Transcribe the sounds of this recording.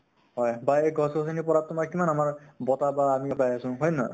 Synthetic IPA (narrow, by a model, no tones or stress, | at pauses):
ɦɔjbaeɡʱɔsɔs̬anipɔɾat̪umakimanamaɹbɔt̪abaːmiapajasũɦɔjna̰